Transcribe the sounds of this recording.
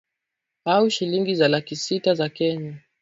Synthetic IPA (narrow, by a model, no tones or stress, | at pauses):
auʃiliŋɡizalakisitazakɛɲa